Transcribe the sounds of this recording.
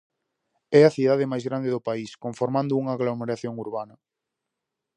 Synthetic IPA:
ɛɐθiðaðɪmajzɣɾand̪eðʊpaiskoɱfoɾmãnd̪ʊuŋaːɣlomeɾaθjoŋuɾβanɐ

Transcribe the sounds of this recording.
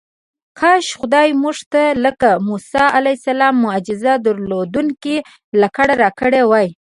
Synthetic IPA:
kɑʃxʊd̪ɑjmuʐt̪aləkamusɑʔalajsalɑmːʊad͡ʒɪzad̪əɾlod̪unki | lakaɽaɾɑkəɽewɑj

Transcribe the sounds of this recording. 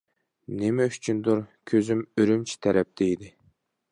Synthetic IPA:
nɪmɛyt͡ʃʰynd̪uɾkʲʰøzymøɾymt͡ʃʰi̥t̪ʰɛɾɛp̚d̪eid̪ɪ

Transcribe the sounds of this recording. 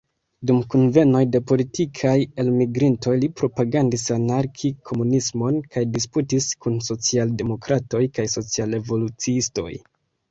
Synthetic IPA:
dumkunve̞no̞jde̞po̞litikʰaje̞lmiɡɾinto̞jlipɾo̞paɡandisanaɾkʰikʰo̞munismo̞nkajdis̬putiskunso̞t͡sialde̞mo̞kɾato̞jkajso̞t͡siale̞vo̞lut͡siisto̞̰j

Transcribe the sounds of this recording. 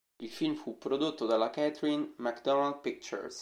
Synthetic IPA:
ilfilmfupːɾod̪ot̪ːod̪alːakɛt̪ɾinmakd̪ɔnald̪̚pik̚t͡ʃɛ̰ɾs

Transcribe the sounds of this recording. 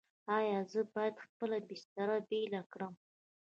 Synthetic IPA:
ɑjɑzəbɑjad̪xpəlabɪst̪aɾabelakɽəm

